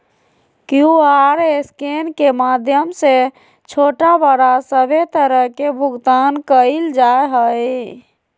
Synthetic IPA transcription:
kjuaɾeskenkemad̪ʱjəmse | t͡ʃʰoʈabəɽasəbʱet̪əɾəɦkebʱuɡt̪ankəild͡ʒaeɦəj

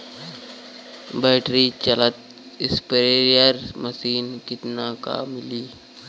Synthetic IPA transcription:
bɛːʈɾit͡ʃɐlət̪ | ɪspəɾeːɾijəɾməsiːnkɪt̪naka̰ːmɪliː

